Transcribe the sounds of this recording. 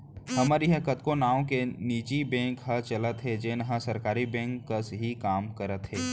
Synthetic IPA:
hɐməɾiɦəkət̪konaːõkeniːt͡ʃibɛ̃ːŋkɦɐt͡ʃɐlət̪ɦed͡ʒeːnɐɦãsɐɾkaːɾibɛ̃ːŋkːəsɦikaːmkəɾət̪ɦeː

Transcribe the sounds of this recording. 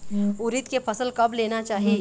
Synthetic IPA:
ʊɾɪt̪kepɐsəlkɐbleːnat͡ʃaːɦie

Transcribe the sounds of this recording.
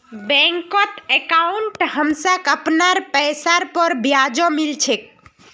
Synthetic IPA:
bɛ̃ŋkɔt̪ekauɳʈhəmsəkəpnaɾpɛjsaɾpəɾbjad͡ʒomilt͡ʃʰek̚

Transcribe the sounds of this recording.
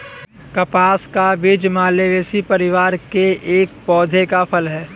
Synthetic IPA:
kɐpaːskabid͡ʒmaːleʋeːsipɐɾɪʋaːɾkeʔeːk̚pɔːd̪ʱekapʰəlɦɛː

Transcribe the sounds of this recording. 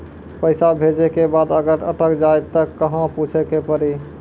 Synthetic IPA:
pəɪsabʱed͡ʒekebad̪əɡəɾə̰ʈəkd͡ʒajt̪əkəɦə̃put͡ʃʰekepəɾi

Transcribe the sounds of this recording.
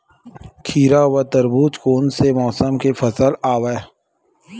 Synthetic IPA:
kʰiːɾawat̪əɾbuːt͡ʃkoːnsemɔːsəmkefɐsəlaːwe

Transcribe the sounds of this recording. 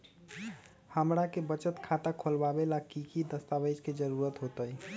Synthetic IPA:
həmɾakebət͡ʃət̪kʰat̪akʰolbabelakikid̪əst̪abəd͡ʒked͡ʒəɾuɾət̪ɦot̪əj

